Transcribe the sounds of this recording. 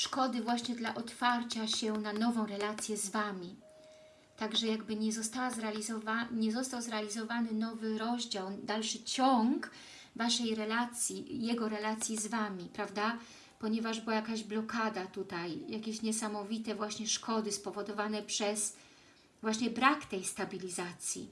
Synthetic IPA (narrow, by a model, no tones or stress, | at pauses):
ʂkɔd̪ɘvwaɕɲɛd̪laʔɔt̪faɾt͡ɕaɕɛnanɔvɔ̃w̃ɾɛlat̪sʲjɛzvamʲi | t̪aɡʐɛjaɡbɘɲɛzɔst̪awazɾɛalʲizɔvaɲɛzɔst̪awzɾɛalʲizɔvanɘnɔvɘɾɔʑd͡ʑawd̪alʂɘt͡ɕɔŋɡk | vaʂɛjɾɛlat̪sʲjijɛɡɔɾɛlat̪sʲjizvamʲipɾavd̪a | pɔɲɛvaʐbɘwajakaʑblɔkad̪at̪ut̪ajjakʲeɕɲɛsamɔvʲit̪ɛvwaɕɲɛʂkɔd̪ɘspɔvɔd̪ɔvanɛpʂɛs | vwaɕɲɛbɾakt̪ɛjst̪abʲilʲizat̪sʲjḭ